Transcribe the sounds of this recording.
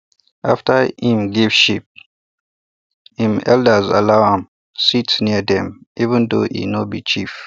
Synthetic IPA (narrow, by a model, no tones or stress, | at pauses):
ʔaftəhĩmɡivʃip̚ | hĩmɛ̰ldəza̰laʊãm | sitniədɛ̃mʔivə̃ndoʔḭnɔbit͡ʃif